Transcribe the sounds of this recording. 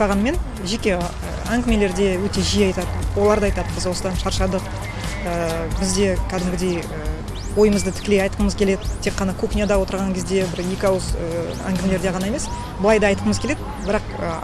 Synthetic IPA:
ɑʁɑnme̞n | ʒe̞kʲe̞ | ə | æŋɡʲɪme̞le̞ɾd̪e̞wɵt̪e̞ʒijɑjt̪ɑd̪əwo̞lˠɑɾd̪ɑjt̪ɑd̪əbɪzwo̞səd̪ɑnʃɑɾʃɑd̪əq̚ | əbɪzd̪e̞kʲʰæd̪ɪmɡʲɪd̪e̞jə | wo̞jəməzd̪ət̪ʰɪ̥kʲɪlejɑjt̪qəməzkʲʰele̞d̪ɪt̪ʰːe̞kqːɑnɑkʰoknijad̪ɑwo̞t̪əɾʁɑŋkʲʰe̞zd̪e̞bɪɾjekʲɑwəzə | æ̰ŋɡʲɪmeleɾd̪eʁɑnɑje̞me̞s | bəlˠɑjd̪ɑɑjt̪qəməzkʲele̞d̪ɪ | bɪɾɑqə̰

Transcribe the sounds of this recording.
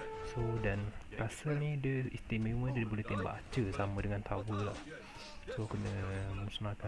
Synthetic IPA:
sodankasəlnidəist̪imimə̃dəibolɛht̪emba̰t͡ʃəsamədəŋant̪ʰawəlah | sokənəmusunaka

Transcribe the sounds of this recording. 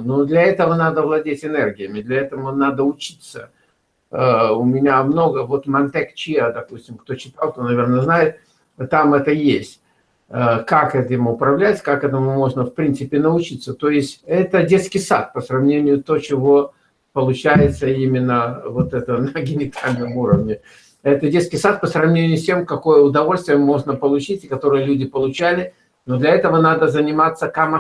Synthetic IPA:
nod̪lʲɐɛt̪əvənad̪əvlˠɐdʲetʲɪnɛrɡʲɪjəmʲɪd̪lʲɐɛt̪əmənad̪əʊt͡ɕit̪sə | əʊmʲɪnʲamno̞ɡəvo̞t̪mɐnt̪ɛkt͡ɕɪjad̪ɐpusʲtʲɪmkt̪o̞t͡ɕɪt̪alˠkt̪o̞nɐvʲe̞rnəznajɪt̪̚ | t̪amɛt̪əjesʲtʲ | əkakɛt̪əɪmʊpɾɐvlʲætʲkakɛt̪əmʊmo̞ʐnəfpɾʲint̪sɨpʲɪnəʊt͡ɕit̪sət̪o̞jɪsʲtʲɛt̪ədʲe̞t̪skʲɪjsa̰t̪̚pəsɾɐvnʲenʲɪjʊt̪ot͡ɕɪvo̞ | pəlˠʊt͡ɕæjɪt̪səimʲɪnːəvot̪ɛt̪ənəɡʲɪnʲɪt̪alʲnɨmuɾəvnʲɪ | ɛt̪ədʲe̞t̪skʲɪjsat̪̚pəsɾɐvnʲenʲɪjʊsʲtʲemkɐko̞jəʊd̪ɐvo̞lʲst̪vʲɪjəmo̞ʐnəpəlˠʊt͡ɕitʲɪkɐt̪o̞ɾɨjəlʲudʲɪpəlˠʊt͡ɕælʲɪ | nod̪lʲɐɛt̪əvənad̪əzənʲɪmat̪sːəkamɐ

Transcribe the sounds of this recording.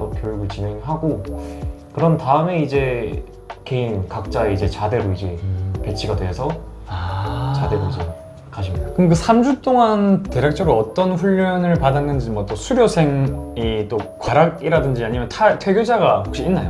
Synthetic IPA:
okjojuɡɯɭt͡ɕine̞ŋɦaɡo | kɯɾʌntaɯme̞id͡ʑe̞ | ke̞inkak̚t͡ɕ͈aeid͡ʑe̞t͡ɕade̞ɾuid͡ʑepe̞t͡ɕʰiɡadwe̞ɦesʰʌ | t͡ɕade̞ɾud͡ʑi | kaɕʰimɲidakɯnekɯsʰamd͡ʑut͈oŋante̞ɾjak̚t͡ɕ͈ʌɾoʌt͈ʌnɸuʎːʌnɯɭpadanːɯnd͡ʑimwʌt͈osʰuɾjosʰe̞ŋit͈okwaɾaɡ̚iɾadɯnd͡ʑiaɲimjʌntʰatʰwe̞ɡjod͡ʑaɡahok̚ɕ͈iinːajo

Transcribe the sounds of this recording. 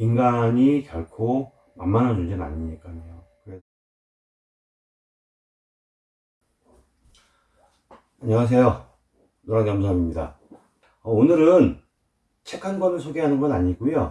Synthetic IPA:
inɡaɲikjʌɭkʰo | manmanɦand͡ʑud͡ʑinɯna̰ɲiɲik͈anejo | kɯɾe | aɲʌŋas̬ʰe̞jo | noɾaŋeams̬ʰamimɲida̰ | ʌonɯɾɯn | t͡ɕʰe̞kʰanɡʌnɯɭsʰoɡeɦanɯnɡʌnaɲiɡujo

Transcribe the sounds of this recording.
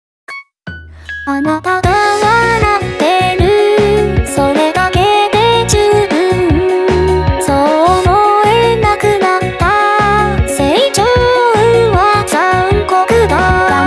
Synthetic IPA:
anat̪ad̪aβanat̪ːe̞ɾɯ̟ | so̞ɾe̞d̪ake̞d̪e̞d͡ʑɨbɯ | sonoenakɯnat̪ːa | se̞it͡ɕoɯβakaɯŋkokɯd̪a

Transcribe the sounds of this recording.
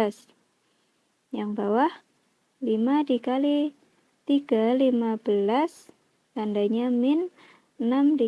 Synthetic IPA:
as | jaŋbawah | limadikali | t̪iɡ̥alimab̥əlas | kandaɲamɪn | ənamdi

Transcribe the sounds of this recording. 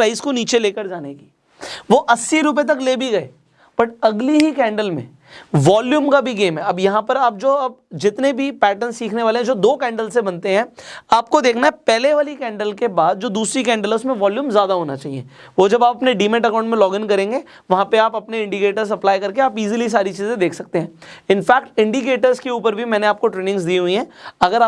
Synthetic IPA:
ɾaːɪskoniːt͡ʃeleːkəɾd͡ʒaːneki̥ː | ʋoːʔɐsːiɾʊp̬et̪̬ɐkleːbʱiɡɐḛː | bɐʈɐɡliɦikɛ̃ːɳɖəlmḛ̃ | ʋaːljuːmkabʱiɡeːmɦɛɐbjɐɦãpɐɾaːp̚d͡ʒoːɐb̚d͡ʒɪt̪nebʱipɛːʈənssiːkʰneʋaːleɦɛ̃d͡ʒoːd̪oːkɛ̃ːɳɖəlsebɐnt̪eɦɛ̃ːaːp̚kod̪eːkʰnaɦɛpɛːleʋaːlikɛ̃ːɳɖəlkebaːd̪̚d͡ʒoːd̪uːsɾikɛ̃ːɳɖələʊsmẽʋɔːljuːmzjaːd̪aɦoːnat͡ʃaːɦiḛ | ʋoːd͡ʒɐbaːpɐpneɖiːmɛ̃ʈɐkãʊ̃ɳʈmẽlɔːɡɪ̃nkɐɾẽːŋɡe | ʋɐɦãpeaːpɐpneɪ̃ɳɖikeːʈəɾzɐplaːjkɐɾkeaːpiːzilis̬aːɾit͡ʃiːzẽd̪eːkʰsɐk̚t̪eɦɛ̃ɪnfɛːk̚ʈɪ̃ɳɖikeːʈəɾzkeuːpəɾbʱimɛ̃ːneaːp̚koʈɾeːnɪ̃ŋɡzd̪iːɦʊiɦɛ̃ːɐɡəɾaː

